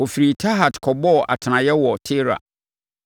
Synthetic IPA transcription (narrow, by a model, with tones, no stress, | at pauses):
ɔ˨fi˨ɾi˨tʰa˦ɦa˨tkʰɔ˨bɔ˦˨ʔa̰˨tʰɪ˨nã˨jɛ˦wɔ˨tʰe˦ɾa̰˨